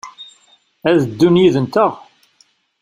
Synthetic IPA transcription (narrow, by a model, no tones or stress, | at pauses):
æðəd̪ːunjiðənt̪əʁ